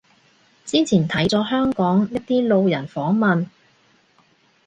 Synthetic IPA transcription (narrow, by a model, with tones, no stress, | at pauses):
t͡siː˥t͡sʰiː˨˩nt̪ʰɐ˨˥jt͡sɔː˨˥ɦœː˥ŋkɔː˨˥ŋjɐ˥t̚t̪iː˥lo˧wjɐ˨˩nfɔː˨˥ŋmɐ˨n